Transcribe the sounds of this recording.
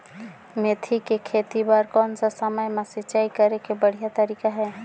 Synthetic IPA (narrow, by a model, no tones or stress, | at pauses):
met̪ʰikekʰet̪ibaɾkɔːnsasəməjmãsit͡ʃaikəɾekebəɽ̤ijat̪əɾikaɦɛː